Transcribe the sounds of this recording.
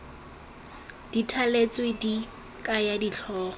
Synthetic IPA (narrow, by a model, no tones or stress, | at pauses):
d̥itʰalet͡swedi | kʼajadit͡ɬʰɔːχɔ